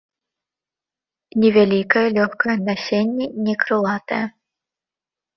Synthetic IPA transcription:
nʲɪvʲɛlʲikəjəlʲoxkəjənɐsʲenʲːɪnʲɪkɾɨlˠɑt̪ə̰jɛ

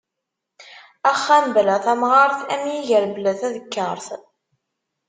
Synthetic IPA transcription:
æχːæmblæθæmʁɑɾˤθæmjiʝəɾbəlæθæðəkːəɾˤθ

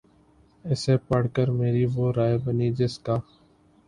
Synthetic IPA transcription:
ɪseːpəɽ̤kəɾmeːɾiʋoːɾaːebəniːd͡ʒɪskaː

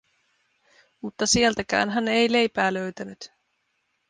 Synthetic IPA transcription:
mut̪ːɑsielt̪ækæ̰ːnɦænejle̞jpæːlø̞ɥt̪ænyt̪

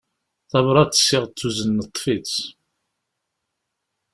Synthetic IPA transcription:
θɑvɾˤɑt͡s̪ːə̥sːɪʁt͡sːuzənːət̪ˤːfit͡s

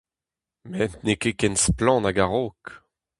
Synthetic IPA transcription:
mɛntnekekɛnsplɑ̃ːnaɡaʁok

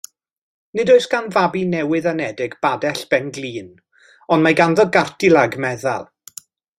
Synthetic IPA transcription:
nɨdoɨsɡ̥anvabinɛwɨðənɛdɪɡbadɛɬb̥ɛnɡlˠiːn | ɔndmajɡanðɔɡartilˠaɡmɛða̰lˠ

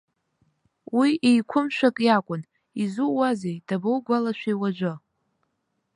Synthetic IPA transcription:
wiejkʷʰʊmʃʷᶣakʼjakʷʼʊn | izuwazejd̥abowɡʷalaʃʷᶣejwad͡ʒʷɨ

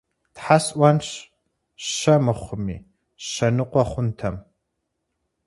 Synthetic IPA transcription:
tħasʔʷɐnɕ | ʃɐmɨχʷʊmḭː | ʃɐnɨqʷɔχʷʊntʰɐm

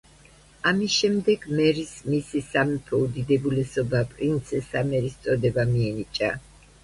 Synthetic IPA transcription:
amisʃɛmd̪ɛɡmɛɾismisisamɛpʰɛud̪id̪ɛbulɛsɔbapʼɾint̪sʰɛsamɛɾist̪sʼɔd̪ɛbamiɛnit͡ʃʼa

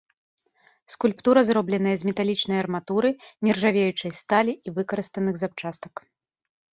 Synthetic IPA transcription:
skulʲpt̪uɾɐzrɔblʲɛn̪ɐjɐzmʲɛt̪alʲit͡ʂnɐjɐrmat̪uɾɨnʲɛrʐavʲejut͡ʂɐjst̪alʲiivɨkɐɾɨst̪ɐnɨɣzap̚t͡ʂast̪ɐ̥k

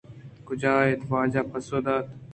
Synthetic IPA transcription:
kʊd͡ʑaːet̪ʋaːd͡ʒaːpɐsoːd̪aːt̪

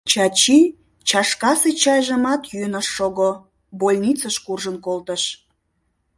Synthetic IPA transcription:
t͡ɕɑt͡ɕi | t͡ɕɑʃkɑset͡ɕɑjʒə̆mɑt̪jyənəʃːoɣo | bolʲnʲit͡səʃkurʒənkolt̪əʃ

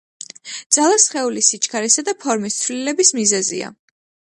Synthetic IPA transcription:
d̪z̥alˠasχɛulisit͡ʃʰʼkʰaɾisad̪apʰɔɾmist̪sʰvlilɛbismizɛzḭa̰

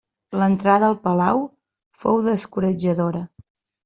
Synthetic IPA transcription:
lənt̪ɾaðəːlˠpəlaw | fowðəskuɾəd͡ʒəðoɾə

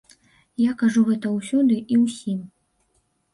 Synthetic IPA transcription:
jakaʐuɣɛt̪ɐwsʲɔd̪ɨʔiwsʲim

